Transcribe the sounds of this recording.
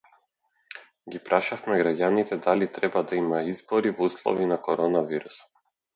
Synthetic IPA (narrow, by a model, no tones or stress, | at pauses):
ɡipɾaʃafmɛɡɾaɟanit̪ɛd̪alit̪ɾɛbad̪aimaizbɔɾivɔuslˠɔ̰vinakɔɾɔnaviɾusɔ̥